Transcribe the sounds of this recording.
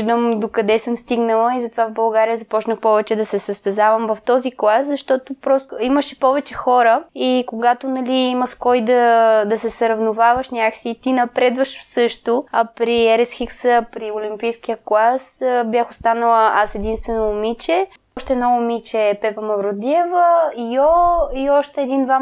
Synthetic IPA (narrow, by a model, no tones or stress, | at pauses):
ʒd̪əmd̪okɐd̪ɛsəmst̪iɡnəlˠəizɐt̪ovavbɐlˠɡaɾijəzɐpɔt͡ʃnəxpɔvɛt͡ʃɛd̪ɐsɛsɐst̪ɛzavɐmvɐft̪ɔziklˠaszɐʃt̪ɔt̪ʊpɾɔst̪ʊiməʃi̥pɔvɛt͡ʃɛxɔɾəikoɡat̪onɐliimɐskɔjd̪ɐd̪ɐsɛsɾɐvnʊvavəʃnʲakksiːt̪inɐpɾɛd̪vəʃfsɤʃt̪oɐpɾiɛɾɛsxiksəpɾiʊlʲimpijskijəklˠasbʲjaxʊst̪anəlˠəasɛd̪inst̪vɛnoːmit͡ʃɛ | ʃt̪ɛːnɔʊmit͡ʃɛːpɛpɐmɐvɾod̪iɛvəijɔiɔʃt̪ɛːd̪ind̪va